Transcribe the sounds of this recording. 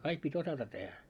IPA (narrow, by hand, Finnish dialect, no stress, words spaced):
kɑik pitʲ osɑtɑ tehæ